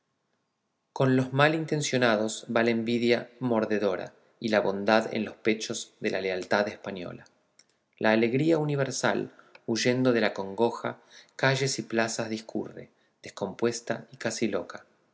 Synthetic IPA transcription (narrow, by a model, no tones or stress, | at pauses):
ko̞nlo̞zmalint̪ẽ̞nsjo̞nað̞o̞zβalaembiðjamo̞ɾðe̞ðo̞ɾa̰ | ilaβo̞nd̪aðḛnlo̞spe̞t͡ʃo̞zðe̞lʔa̰lealt̪aðespanjo̞̰la | lʔaːle̞ɣɾiauniβ̞e̞ɾsa̰luʒe̞nd̪o̞ðe̞lako̞ŋɡo̞xa̰kaʒe̞siplasazðiskʰṵrḛ | ðesko̞mpwe̞st̪a̰ikasilo̞kḁ